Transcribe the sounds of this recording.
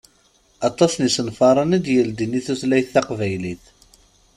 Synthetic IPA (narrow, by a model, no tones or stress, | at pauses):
ɑt̪ˤːɑsnisənfɑɾˤɑnid̪jəld̪inːiθuθlæjθːæqvæjliθ